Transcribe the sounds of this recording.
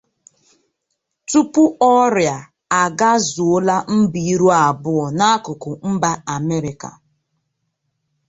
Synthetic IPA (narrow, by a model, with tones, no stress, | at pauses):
tu˦pʊ˦ɔ˦ɾja˨ | a˨ɡa˦zʊ˨˦la˦m̩˦bi˨i˦ɾu˦a˨bʊ˦ʊ˨na˦a˦kʊ˨kʊ˨m̩˦ba˦a˨me˦ɾɪ˨ka̰˨